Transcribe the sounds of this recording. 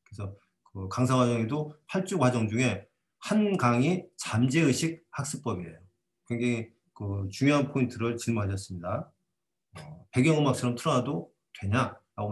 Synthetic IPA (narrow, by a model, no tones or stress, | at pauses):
kɯesʰʌ | kɯkaŋsʰaɡwad͡ʑʌŋe̞dohaɭt͡ɕ͈ukwad͡ʑʌŋd͡ʑuŋe̞ | hanɡaŋit͡ɕamd͡ʑe̞ɯɕʰik̚hak̚s͈ɯp͈ʌbiḛjo | kwe̞ŋd͡ʑeŋi | kɯt͡ɕuŋjoɦanpʰointʰɯɾɯɭt͡ɕiɭmunɦaɕʰʌs͈ɯmɲida | ʌpe̞ɡjʌŋɯmak̚s͈ʰʌɾʌmtʰɯɾʌnado | twe̞ɲaɾaɡo